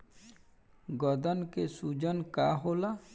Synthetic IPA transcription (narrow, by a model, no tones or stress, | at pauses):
ɡɔd̪ənkesud͡ʒənkaːɦoːla